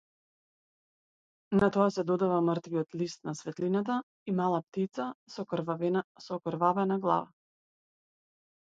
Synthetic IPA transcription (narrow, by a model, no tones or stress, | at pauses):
nat̪ɔasɛd̪ɔd̪avamərt̪viɔt̪list̪̚nasvɛt̪linat̪̬a | imalˠap̚t̪it̪sasɔ | sɔkɾvavɛnaɡlˠa̰va̰